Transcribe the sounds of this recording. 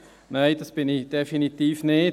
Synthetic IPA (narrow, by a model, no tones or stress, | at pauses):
nejdəsb̥ɪnɪçd̥efinitiːfnɪ